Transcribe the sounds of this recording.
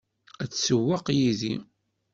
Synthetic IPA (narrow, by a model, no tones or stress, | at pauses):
æt͡sːsəwːɑqjiðḭ